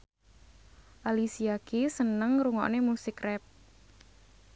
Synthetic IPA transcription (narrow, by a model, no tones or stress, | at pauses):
ʔalisiakisənəŋɾuŋɔ̰ʔnemusɪkrɛp̚